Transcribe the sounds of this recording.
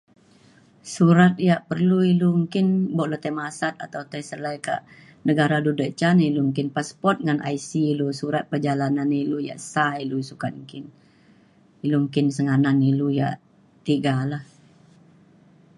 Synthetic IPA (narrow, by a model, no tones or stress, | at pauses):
suɾat̪̚jaʔpərluilumuŋkɪnbɔʔlot̪ajmasat̪̚a̰t̪awt̪ajsəlajka̰ʔ | nəɡaɾadudəʔt͡ʃanilumuŋkɪnpaspɔrt̪̚ŋanʔa̰isiːlusuɾat̪̚pərd͡ʒalananiluja̰ʔsailusukat̪̚mukɪn | ilumukɪnsəŋananiluja̰ʔ | t̪iɡalah